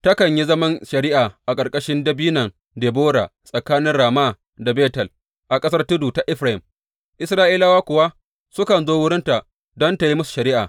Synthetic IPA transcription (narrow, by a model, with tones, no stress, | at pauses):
tɐ˦kɐ˨ɲji˦zɐ˦mɐ˦nʃɐ˨ɾɪ˦ʔaː˨ʔa˨kʼɐ˨kʼɐ˦ʃɪ˦ndɐ˦biː˦nɐ˨ŋ | deː˨boː˦ɽa̰ː˨sʼɐ˨kaː˦nɪ˦nɽaː˨ma˦˨ | da˨beː˦tɐ˨l | ʔa˨kʼɐ˦sɐ˦rtʊ˦duː˨ta˨ʔɪ˦ɸɾa˨hɪ˨m | ʔɪ˦sɾaː˦ʔiː˦la˦waː˦kʷʊ˨wa˦ | sʊ˦kɐ˨nzoː˦wʊ˦ɽɪ˦nta˨ | dɔ˦nta˨ji˦mʊ˦su̥˨ʃɐ˨ɾɪː˦ʔaː˨